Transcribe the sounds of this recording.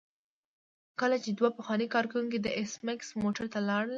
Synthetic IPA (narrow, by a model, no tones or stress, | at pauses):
kəlat͡ʃed̪wapəxwɑnikɑɾkawuŋked̪əʔɪsmɪksmoʈaɾt̪alɑɽl